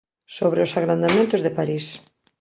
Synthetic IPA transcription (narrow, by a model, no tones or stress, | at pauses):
soβɾeʊsaɣɾand̪amẽnt̪ʊzðepaɾis